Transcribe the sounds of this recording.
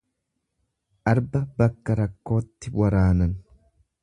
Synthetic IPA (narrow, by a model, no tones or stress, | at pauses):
ʔɐɾbɐbɐkːɐɾɐkːo̞ːt̪ːɪwɐɾaːnɐn